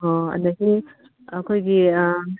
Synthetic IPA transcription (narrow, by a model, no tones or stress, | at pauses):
ɦoɐ̰ndɐsi | ɐkʰojɡi